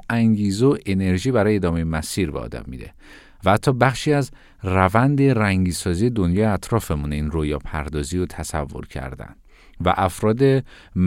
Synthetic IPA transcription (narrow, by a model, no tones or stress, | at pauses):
ʔæŋɟiːzeoʔene̞ɾʒiːbæɾɒːjeːd̪ɒːmejemæsiːɾbḛɒ̰ːd̪æ̰mːḭd̪ḛ | vææt̪ʰːɒːbæχʃiːæz | rævænd̪e̞ræŋɟiːsɒːzije̞d̪onjɒːjeæt̪ʰɾɒːfe̞muniːnroːjɒːpʰæ̰ɾd̪ɒːziːjot̪ʰæsæ̰vːo̞̰ɾcʰæ̰ɾd̪æ̰nd̪̥ | væ̰ʔæfɾɒːd̪e̞ | m